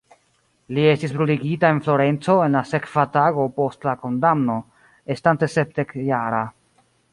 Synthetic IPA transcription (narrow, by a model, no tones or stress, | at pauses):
lie̞stisbɾuliɡitae̞nflo̞ɾe̞nt͡so̞e̞nlase̞kv̥ataɡo̞po̞stlako̞ndamno̞ | estante̞se̞p̚de̞kjaɾa